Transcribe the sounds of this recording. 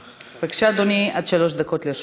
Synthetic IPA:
vekʃad̪oniʔad̪ʃalo̞ʃd̪ako̞t̪leʃ

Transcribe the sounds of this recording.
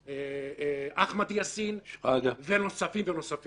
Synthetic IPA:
e | aχmad̪iasinadavenosafimvenosaf

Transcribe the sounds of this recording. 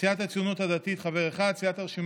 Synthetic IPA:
iat̪at͡sjonot̪had̪at̪it̪χave̞ʁeχad̪̚t͡siat̪aʁʃim

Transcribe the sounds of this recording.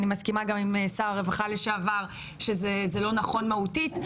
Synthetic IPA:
nimaskimaɡamimesaʁaʁevaχaleʃeavaʁ | ʃezezelo̞naχo̞nmahutit

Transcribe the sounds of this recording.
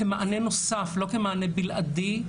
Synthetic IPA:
emaʔanenosaflo̞kemaanebilʔadi

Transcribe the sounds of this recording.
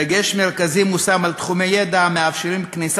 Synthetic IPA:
eɡeʃmeʁkazimusamalt̪χumejed̪ameafʃeʁimknis

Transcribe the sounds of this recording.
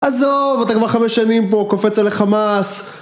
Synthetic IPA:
ʔazovat̪akvaʁχameʃanimpokofet͡saleχamas

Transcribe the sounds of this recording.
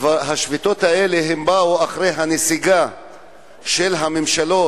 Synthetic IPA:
vaɦaʃvit̪o̞t̪hae̞leɦembauaχɾejɦanesiɡa | ʃelɦamemʃalo̞

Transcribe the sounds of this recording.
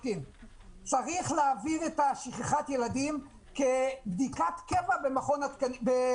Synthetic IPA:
kim | t͡saʁiχleːviʁet̪aʃiχeχat̪jelad̪im | kebd̪ikat̪kevabe̞maχo̞nat̪kanbe

